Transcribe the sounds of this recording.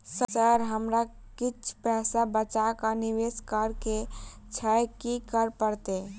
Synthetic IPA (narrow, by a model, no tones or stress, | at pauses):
sət͡ʃəɾɦəmɾa | kit͡ʃʰpɛɦsabət͡ʃakaniʋeskəɾke | t͡ʃʰəjkikəɾpəɾt̪e